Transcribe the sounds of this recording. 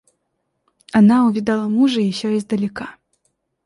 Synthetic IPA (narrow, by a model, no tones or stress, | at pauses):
anauvʲid̪alˠɐmuʐɨiɕʲɔizd̪ɐlʲɪka